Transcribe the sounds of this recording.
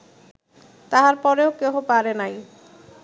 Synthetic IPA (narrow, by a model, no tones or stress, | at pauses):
t̪aɦaɾpɔɾeokeɦopaɾenaj